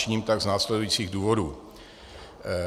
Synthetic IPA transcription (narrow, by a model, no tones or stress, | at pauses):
ɲiːmt̪aɡznaːslɛdujit͡siːɣduːvo̞duː